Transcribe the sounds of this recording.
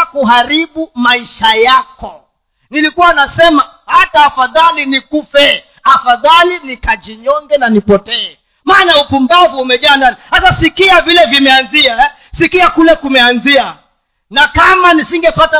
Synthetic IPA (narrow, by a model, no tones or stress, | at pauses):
kuɦaɾiɓumaiʃajakɔ | nilikuwanasɛma | hataːfaðalinikufɛ | afaðalinikad͡ʒiɲɔŋɡɛnanipɔtɛɛ | maːnaupuŋɡavuumɛʄaːnanisasasikiavilɛvimɛanziaɛ | sikiakulɛkumɛanzia | nakamanisiŋɡɛpata